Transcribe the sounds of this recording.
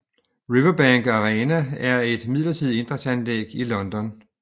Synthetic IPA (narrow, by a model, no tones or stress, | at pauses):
ʁiʋɐb̥æŋɡ̥ɑʁɛːnææɐe̝d̥mið̰lɐt͡sʰið̰ˠe̝nd̥ʁɐsænlḛːɡ̥ilɒ̽nd̥ɒ̽n